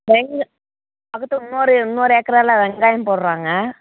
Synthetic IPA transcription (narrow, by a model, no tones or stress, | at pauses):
ʋɛŋɡ | ɐkːɯt̪ːɯʊnːoːɾɯʊnːoːɾeːkːɐɾɐlaʋɛŋɡaːjɐmpoɽɾaːŋɡɐ